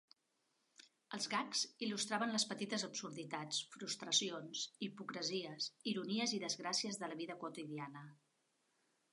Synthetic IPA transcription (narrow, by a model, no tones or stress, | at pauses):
əlˠzɣakzilust̪ɾaβənləspət̪it̪əzəbsuɾðit̪at͡sfɾust̪ɾəsionsipukɾəziəsiɾuniəziðəzɣɾasiəzðələβiðəkwut̪iðianə